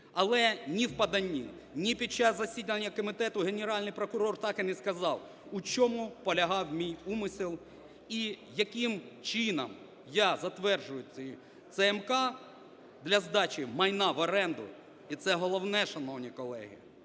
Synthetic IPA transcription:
ɐlˠɛnʲiwpɐd̪ɐnʲːḭ | nʲipʲid̚t͡ʃːɑzːɐsʲid̪ʲnɐnʲːɐkɔmʲɪt̪ɛt̪ʊɦenʲeɾɑlʲnɪjpɾɔkʊɾɔrt̪ɑkɪnɪskɐzɑw | ut͡ʃɔmʊpɔlʲɐɦɑwmʲijumɪsʲɪlˠ | ijɐkimt͡ʃinɐm | jazɐt̪ʋɛrʒʊjʊt͡sʲ | t̪sɛɛmkɑ | d̪lʲɐzd̪ɑt͡ʃʲimɐjnɑʋɔɾɛnd̪ʊ̰ | it̪sɛɦɔlˠɔwnɛʃɐnɔwnʲikɔlˠɛ̰ɦḭ

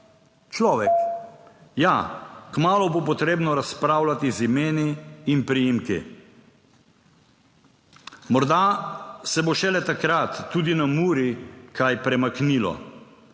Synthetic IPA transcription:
t͡ʃlɔːʋɛk | jakmaːlɔbop̬ɔt̪ɾeːbnɔɾaspɾawlat̪izimeːniːnpɾijimkḭ | mɔɾd̪asɛboʃɛlɛt̪akɾat̪ːuːd̪inamuːɾikʰajpɾɛmaknilɔ̰

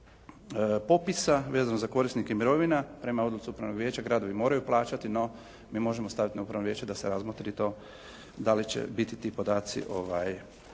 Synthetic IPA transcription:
po̞pisaʋe̞ːzanozako̞ɾisnikemiɾo̞ʋinapɾe̞mao̞d̪lˠut̪siupɾaʋno̞ɡʋjeːt͡ɕaɡɾaːd̪o̞ʋimo̞ːɾajuplˠaːt͡ʃat̪ino̞ | miːmo̞ʒemost̪aʋit̪inaupɾaʋnoʋje̞ːt͡ʃed̪aseɾazmot̪ɾit̪o̞ | d̪alit͡ʃḛbit̪it̪iːpo̞d̪aːt̪sḭʔo̞ʋaj

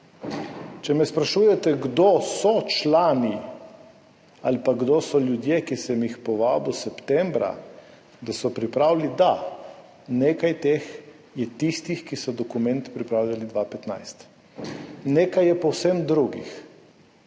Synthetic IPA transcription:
t͡ʃɛmɛspɾaʃuːjɛt̪ɛɡd̪osɔt͡ʃlaːni | alipaɡd̪osɔljud̪jekisɛmjixpɔʋaːbusɛpt̪ɛmbɾa̰ | d̪asɔpɾipɾaːwlid̪a | neːkajt̪eːx | jɛt̪ist̪ixkisɔd̪ɔkumɛnt̪pɾipɾaːwlʲjalid̪ʋapɛt̪na̰jst̪ | neːkajɛpɔwsɛmd̪ɾuɡḭx

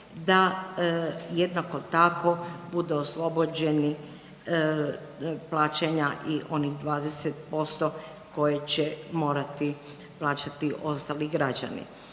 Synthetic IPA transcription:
d̪a | jed̪nakot̪akobud̪uoslˠo̞bod͡ʑeni | plaːt͡ɕeɲaʔiʔo̞niɣd̪ʋaːd̪eset̪̚po̞st̪o | ko̞jet͡ɕemo̞ːɾat̪i | plˠaːt͡ɕat̪iʔo̞st̪aliɡɾad͡ʒa̰nḭ

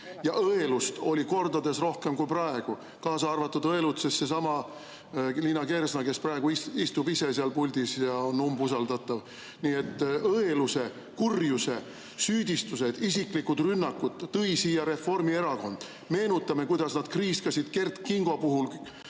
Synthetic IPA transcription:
jɑʔɤelust̪o̞lʲiko̞rd̪ɑd̪e̞sro̞hke̞mkujprɑe̞ɡ̥u | kɑːsɑɑrvɑt̪ːˑud̪ɤe̞lut̪sesse̞sɑmɑ | linɑke̞ɾsnɑke̞sprɑe̞ɡ̥uiist̪ubise̞seɑlpulʲd̪̥isjɑonːumbusɑld̪ɑt̪ːˑɑv | niːet̪ˑːɤeluse | kurjuse̞ | syːd̪̥ʲist̪use̞d̪̥isikˑlikud̪̥rynːɑkːud̪̥ːɤjsiːjɑɾe̞fo̞rmie̞ɾɑko̞nd̪̥ | me̞ːnut̪ːˑɑme̞kujd̪̥ɑsnɑd̪̥kriːskɑsid̪̥ke̞rt̪kiŋɡ̥o̞puɦul

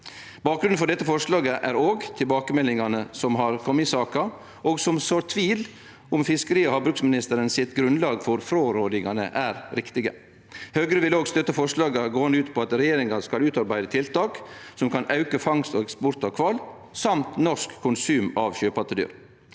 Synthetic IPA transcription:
b̥ɑːk̚ɡɾʉnfɔɖɛt̪ːəfɔʂlɑːɡəʔæɾoːɡt̪ʰɪlbɑːkəmɛlɪŋɑnəsɔmɦɑɾkʰɔmːəɪsɑːkɑ | ʔoːɡsɔmsoːɾt̪ʰʋiːl | ʊmfɪskəɾiːɔhɑbɾʉksmɪnɪst̪əɾənsɪt̪ɡɾʉnlɑːɡfɔɾfɾoːɾoːd̪ɪŋɑnə̰ʔæɾɾɪkt̪ɪɡə̰ | høːɡɾəʋɪloːɡst̪œt̪ːəfɔʂlɑːɡɑɡoːɑnd̪ʉːt̪pʰoːɑt̪ɾɛjeːɾɪŋɑskɑlʉːt̪ɑɾbæɪd̪ət̪ʰɪlt̪ɑːksɔmkʰɑnɑʉkəfɑŋst̪ɔːɛkspɔɾt̪ɑʋkʰʋɑl | sɑmt̪nɔʂkʰːʊnsʉːmɑʋçøːpɑt̪əd̪y̰ːɾ

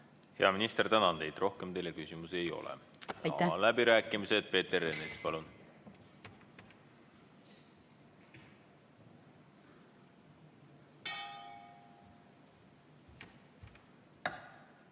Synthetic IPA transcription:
heɑminist̪ert̪ænɑnt̪e̞jd̪̥ro̞hkemt̪e̞jlːe̞kysʲimuseejo̞̰lɛ̰ | ɑlæbiɾæːkːˑimised̪̥̚pe̞ːt̪ːeɾenespɑlun

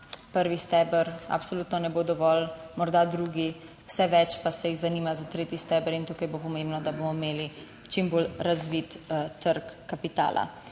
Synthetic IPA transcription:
pəɾʋist̪ɛbəɾa̰psoluːt̪nɔnɛbod̪ɔʋɔlmɔɾd̪ad̪ɾuːɡi | w̥sɛʋɛt͡ʃpasɛjiɣzaniːmazat̪ɾeːt̪jist̪ɛbəɾint̪uːkajbopɔmẽːmbnɔd̪abomɔimeːli | t͡ʃimbolɾazʋit̪t̪əɾkːapit̪a̰ːlʔa̰

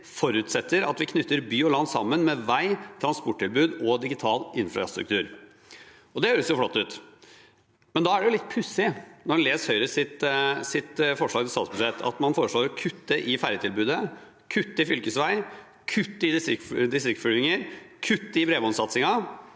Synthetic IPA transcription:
fɔɾʉːt̪sɛt̪ːəɾɑt̪ʋɪkʰnʏt̪ːəɾbyːɔlɑnd̪sɑ̰mːənmɛʋæɪt̪ʰɾɑnspɔʈ̚ːɪlbʉːd̪ɔd̪ɪɡɪt̪ʰɑːlʔɪnfɾɑ̰st̪ɾʉ̰kt̪ʰʉːɾ | ɔd̪ɛhøːɾəsjʊflɔt̪ːʉːt̪ | mɛnd̪ɑæɖɛjʊlɪt̪̚ːpʰʉsːɪnɔɾhɑnleːshœʏɾəsɪt̪sɪt̪fɔʂɭɑːɡt̪ɪlst̪ɑːt̪sbʉʂɛt̪ʰːɑ̰t̪mɑnfoːɾəʂɭoːɾɔkʰʉt̪ːəʔɪfæɾjət̪ʰɪlbʉːd̪ə | kʰʉt̪ːəɪfʏlkəsʋæɪ | kʰʉt̪ːɪd̪ɪst̪ɾɪkd̪ɪst̪ɾɪkt̪fʏlɪŋəɾkʰʉt̪ːəɪbɾeːʋɔnsɑt̪sɪŋɑ

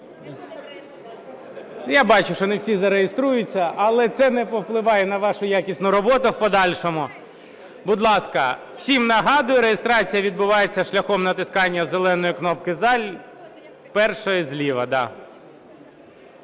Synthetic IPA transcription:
jabɑt͡ʃʊʃt͡ʃɔnewsʲizɐɾejest̪ɾujʊt͡sʲːɐʔɐlˠɛt̪sɛnɛpɔwplˠɪʋɑjɛnɐʋɑʃʊjakʲisʲnʊɾɔbɔt̪ʊwpɔd̪ɑlʲʃɔmʊ | bʊd̪lˠɑskɐ | w̥sʲimnɐɦɑd̪ʊjʊɾejest̪ɾɑt͡sʲijɐʋʲid̪̚bʊʋɑjet͡sʲːɐʃlʲɐxɔmnɐt̪ɪskɑnʲːɐzelˠɛn̪ɔjʊknɔpkɪzɑlʲ | pɛrʃɔjizlʲiʋɐd̪ɑ̰

